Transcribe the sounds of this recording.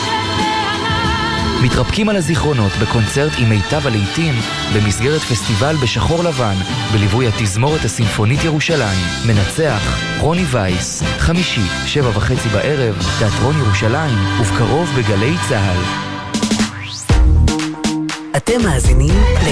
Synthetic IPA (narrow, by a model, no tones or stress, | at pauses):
mitʁapkimalhaziχʁo̞no̞tbe̞ko̞nt͡se̞ʁtime̞jtavalejtim | be̞misɡe̞ʁetfestivalbe̞ʃaχo̞ʁlavan | belivujhatizmo̞ʁethasimfo̞nitjeʁuʃalaimːe̞nat͡se̞aχ | ʁo̞nivajsχamiʃi | ʃe̞vavaχe̞t͡sibaʔe̞ʁe̞vteatʁo̞njeʁuʃalaimuvkaʁo̞vbeɡale̞jt͡saɦal | ʔatemːaːziniml